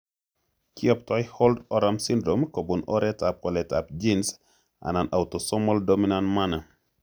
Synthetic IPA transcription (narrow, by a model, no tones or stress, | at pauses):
kɪɔp̚tɔɪholdɔɾamsindɾomkobunɔɾɛtap̚ɔlɛtap̚d͡ʒins | a̰nanʔautosɔmɔldominanmana